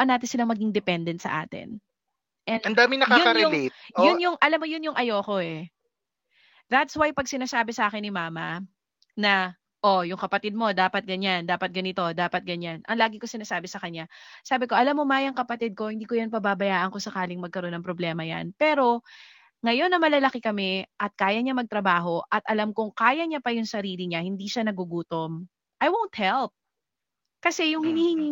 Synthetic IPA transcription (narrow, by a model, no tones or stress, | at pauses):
ʔɐnaːt̪ɪnsɪlaŋmɐɡɪŋd̪ɛpɛnd̪ɛnsɐ̰ʔa̰ːt̪ɪ̰n | ʔɛnɐnd̪aːmɪnɐkaʊkɐɾɛʊŋijʊnjʊŋʔɐlamːojʊnjʊŋʔɐjoko̞ʔɛ | ɾat̪swajpɐɡ̚sɪnaːsaːbɛsɐʔaːkɛnːɪmaːmɐ | nɐ | ʔojʊŋkɐpɐt̪ɪd̪̚mo̞d̪aːpɐt̪̚ɡɐɲand̪aːpɐt̪̚ɡɐnɪt̪o̞d̪aːpɐt̪̚ɡɐɲanʔɐ̰ŋlaːɡɪko̞sɪnaːsaːbɛsɐkɐɲːasaːbɪko̞ʔɐlamːomajɐŋkɐpɐt̪ɪd̪̚ko̞hɪnd̪iːkojɐnpɐbabɐjaːʔɐŋko̞sɐkaːlɪŋmɐɡ̚kɐɾo̞nːɐŋpɾoblɛːmɐja̰npɛːɾo̞ | ŋɐjo̞nːɐmɐlalɐkɪkɐmɛʔɐt̪̚kaːjɐɲamɐɡ̚t̪ɾɐbaːɦo̞ʔɐt̪ʔɐlamkʊŋkaːjɐɲapɐjʊŋsɐɾiːlɪɲahɪnd̪iʃanɐɡʊɡuːt̪om | ʔɐjwownt̪̚hɛlp̚ | kɐsɛjʊŋhɪniːhɪŋi